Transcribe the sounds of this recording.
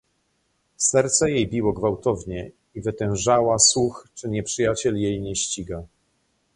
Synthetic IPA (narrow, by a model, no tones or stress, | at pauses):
sɛɾt̪sɛjejbʲiwɔɡvawt̪ɔvɲɛ | ivɘt̪ɛ̃w̃ʐawaswuxt͡ʂɘɲɛpʂɘjat͡ɕɛljejɲɛɕt͡ɕiɡa